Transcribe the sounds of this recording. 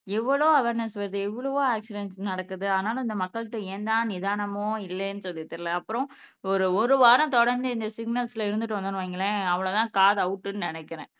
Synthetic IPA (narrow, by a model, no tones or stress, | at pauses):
ɛʋːɐɭoːɐʋeːɾnɐsʋɐɾðɯɛʋːɐɭɐʋoːaːksɪɖɛnsnɐɽɐkːɯðɯɐðɐnaːlɐ̃ɪnd̪ɐmɐkːɐɭɯʈːɯeːnd̪ãːnɪðaːnɐmõːɪlːɛːnːɯsɔlːɪt̪ːɐɾlɐɐpːɯɾɔ̃ | ɔɾɯɔɾɯʋaːɾɐ̃t̪ɔɽɐɾnd̪ɯɪnd̪ɐsɪɡnɐlsɪlɐɪɾɯnd̪ɯʈːɯʋɐnd̪ɯnɯ̃ʋaːŋɡɐlɛ̃ɐʋɐɭɐt̪ãːkaːðɐʊʈːɯnɯnɪnɛkːɪɾẽː